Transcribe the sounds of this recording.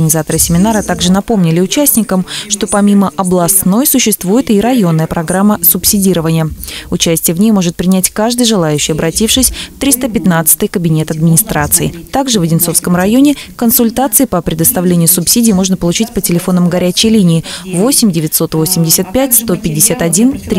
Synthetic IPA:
ənʲɪzat̪əɾəsʲɪmʲɪnaɾət̪aɡʐɨnɐpo̞mnʲɪlʲɪʊt͡ɕæsʲnʲɪkəmʂt̪o̞pɐmʲiməʔɐblˠɐst̪no̞jsʊɕːɪst̪vujɪt̪iɾɐjo̞nːəjəpɾɐɡɾamːəsʊpsʲɪdʲiɾəvənʲɪjəʊt͡ɕæsʲtʲɪjəvnʲejmo̞ʐɨt̪̚pɾʲɪnʲætʲkaʐd̪ɨjʐɨlˠajʉɕːɪjɐbɾɐtʲifʂɨsʲft̪ɾʲist̪əpʲɪt̪nat̪sɨ̥t̪ɨjkəbʲɪnʲe̞t̪ɐd̪mʲɪnʲɪst̪ɾat̪sɨɪ̰t̪aɡʐɨvədʲɪno̞fskəmrɐjo̞nʲɪkənsʊlʲt̪at̪sɨɪpəpɾʲɪd̪əst̪ɐvlʲenʲɪjʊsʊpsʲidʲɪːmo̞ʐnəpəlˠʊt͡ɕitʲpətʲɪlʲɪfo̞nːəmɡɐɾʲæt͡ɕɪjlʲinʲɪːvo̞sʲɪmʲdʲɪvʲɪt̪ʲso̞t̪vo̞sʲɪmʲdʲɪsʲət̪̚pʲætʲst̪o̞pʲɪdʲɪsʲat̪ɐdʲint̪ɾʲ

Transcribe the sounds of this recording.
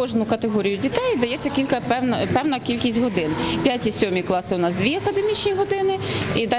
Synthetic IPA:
ɔʒnʊkɐt̪eɦɔɾʲijʊdʲit̪ɛjd̪ɐjɛt͡sʲːɐkʲilʲkɐpɛnɐpɛwnɐkʲilʲkʲisʲtʲɦɔd̪ɪnpʲjatʲisʲɔmʲiklˠɑsɪʊnɑsd̪ʋʲiɐkɐd̪emʲit͡ʃnʲiɦɔd̪ɪnɪid̪ɑ

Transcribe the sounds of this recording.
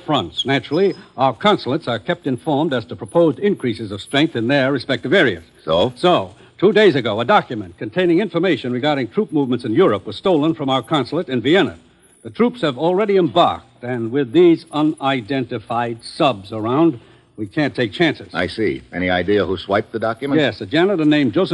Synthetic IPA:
fɹʌ̃ntsnæt͡ʃɹl̩ˠiʔaʊə˞kʰɑ̃nsl̩ˠətsə˞kʰɛp̚tɨ̃ɱfɔɹmdɨz̥təpʰɹ̥əpʰoʊzdɪ̃nkʰɹ̥isɨzʌv̥stɹ̥ɛ̃ŋk̚θɨ̃nðə˞ɹɨspɛk̚tʌvɛɹiɨ̰z̥soʊsoʊ | tʰudeɪzɨɡoʊədɑkjɨmɨ̃nkʰɨ̃ntʰẽɪ̃nɪ̃ŋɪ̃ɱfə˞meɪʃɨ̃nɹɨɡɑɹɾɪ̃ŋtʰɹ̥up̚muvmə̃ntsɨ̃njʊɹəpwʌz̥stoʊlˠə̃nfɹʌ̃maʊə˞kʰɑ̃nsl̩ˠəɾɨ̃nviɛnɨ̰ | ðɨtʰɹ̥upshɨvl̩ˠɹɛɾiɨ̃mbɑ̰ɹk̚tɨ̃nwɪðizʌ̃naɪdɛ̃ntɨfaɪd̥sʌbzə˞ãʊ̃nd̚ | wikʰæ̃ntʰeɪk̚t͡ʃʰæ̃nsɨz̥a̰ɪsḭʔɛñiaɪdiɨhuswaɪp̚ðɨdɑkjɨmjɛsɨd͡ʒæ̃nəɾənẽɪ̃md͡ʒoʊsɨ

